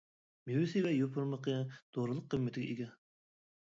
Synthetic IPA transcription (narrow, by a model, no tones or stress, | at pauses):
mewɪsɪvɛjopʰʊɾməqʰəd̪̥oɾɨlˠəqʰːəmːɪt̪ʰɪɡʲɛ̰ʔiɡʲɛ